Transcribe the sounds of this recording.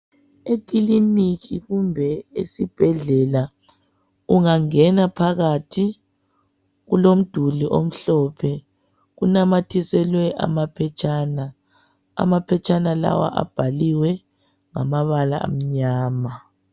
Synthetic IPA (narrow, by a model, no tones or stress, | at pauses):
ekʼiliniɣiɣumbʱɛesib̥ʱɛɮɛla | uŋaŋɛnapʰaɣatʰi | ɣulom̩d̥ʱuliʔom̩ɬɔpʰɛ | ɣunamatʰisɛlwɛʔa̰mapʰɛt͡ʃʰʼaːna | a̰mapʰɛt͡ʃʰʼanala̰wa̰ʔa̰b̥ʱaliwɛ | ŋamaβala̰a̰m̩ɲaːma